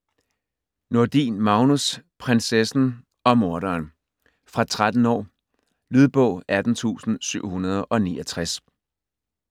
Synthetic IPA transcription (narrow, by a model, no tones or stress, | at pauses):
no̝ɐd̥ḭːnmɑ̈ʊnuspʰʁensesn̩ | ɒ̽mo̝ɐɾɐːn | fʁɑ̈t͡sʰʁad̥n̩ɒ̰ː | lyð̞ˠb̥ɔ̽ʊæd̥n̩t͡sʰṵːsn̩syʊ̰hunɐð̞ˠʔɒ̽niːʔɒt͡sʰʁas